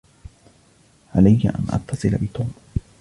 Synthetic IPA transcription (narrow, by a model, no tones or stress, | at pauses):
ʕalajːa̰ʔa̰nʔɑ̰t̪ʰːɑsˤɨlabɪt̪uːm